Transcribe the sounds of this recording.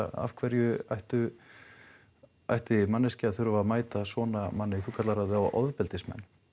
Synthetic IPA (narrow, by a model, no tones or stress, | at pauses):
a̰v̥kʰvɛɾjʏa̰jht̪ʏ | a̰jht̪ɪmanːɪscɪaðθʏɾʏvamaːjt̪asɔːnamanːɪθukʰat̪laɾaðawʔɔ̰ðpɛlt̪ɪsmɛ̰nː